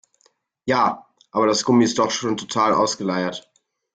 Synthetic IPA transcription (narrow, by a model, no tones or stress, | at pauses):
jaː | ʔaːbɐdasɡ̥ʊmiɪst̚d̥ɔχʃoːntʰotʰaːlʔa̰ʊsɡ̥əlaɪɐt